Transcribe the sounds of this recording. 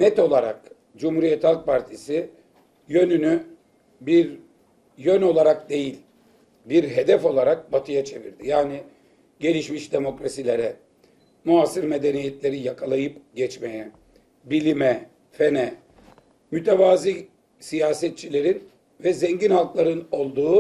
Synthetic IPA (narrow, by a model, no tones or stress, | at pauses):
nɛt̪o̞lˠaɾa̰k | d͡ʒumhuɾijɛt̪ʰalˠk̚pʰaɾt̪ʰisi | jø̞nyny | biɾ | jøno̞lˠaɾakd̪e̞jilʲ | biɾɦe̞d̪ɛfo̞lˠaɾak̚bat̪ʰɯjat͡ʃʰe̞vḭɾd̪ijaːni | ɟe̞lʲiʃmiʃd̪e̞mo̞kɾasilʲe̞ɾɛ | noasɯɾme̞d̪e̞nijɛt̪lʲe̞ɾijakʰalˠajɯpɟɛt͡ʃmejɛ | bilʲimɛ | fenɛ | myt̪ʰevaːzi | sijaːsɛt̪̚t͡ʃʰilʲe̞ɾin | vɛzɛɲɟinhalˠklˠaɾɯno̞lˠd̪uː